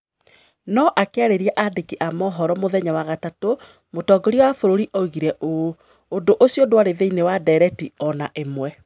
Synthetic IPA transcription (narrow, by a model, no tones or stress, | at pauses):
nɔʔakeaɾeɾiaʔadekiʔamɔɦɔɾɔmoðɛɲawaɣatato | motɔɡɔɾiɔwafoɾoɾiʔɔiɣiɾɛʔo | ondoʔosjodwaɾeðeinewadɛɾɛtiɔnaʔemwɛ